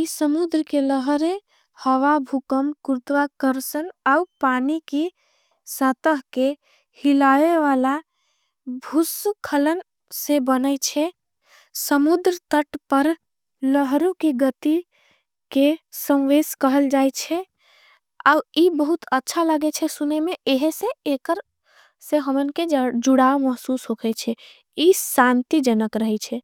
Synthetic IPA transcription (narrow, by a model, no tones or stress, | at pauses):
isəmud̪ɾəkeləɦəɾe | həʋabʱukəmkuɾt̪ʋakəɾsənaupanike | sət̪əɦke | hilaeʋala | bʱuskʰələn | sẽbənəjt͡ʃʰɛ | səmud̪ɾət̪əʈpəɾ | ləɦɾukeɡət̪i | kesə̃w̃ʋeskəɦəld͡ʒajt͡ʃʰɛ | aibəɦut̪ətːʃʰaləɡɛt͡ʃʰɛsunemeeɦesẽekəɾ | sẽɦəmənked͡ʒuɽaməɦsusɦokʰɛt͡ʃʰɛ | isant̪id͡ʒənəkɾəɦɛt͡ʃʰɛ